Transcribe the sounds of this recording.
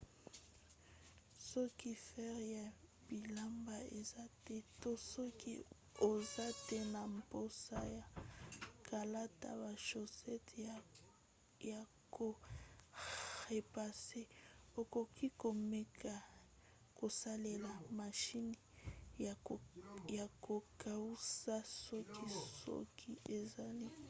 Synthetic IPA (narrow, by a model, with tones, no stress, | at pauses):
sɔ˦ki˦fɛ˦ʁja˨ | b̥i˨la˦mba˨e˨za˦tɛ˦to˦sɔ˦kḭ˦ | o˨za˦tɛ˦na˨mpo˦sa˦ja˨ | kʰa˨la˦ta̰˨ba˨ʃo˨sɛ˦t | ja˨ | ko˨ | xe˨pa˨se˦o˨ko˨ki˦ko˨me˦kʰa˨ | ko˨sa˦le˨la˨ma˨ʃi˦ni˨ | ja˨ko˨kʰa˨u˦sa˦sɔ˦ki˦sɔ̰˦kʰi˦ʔe˨za˨li˦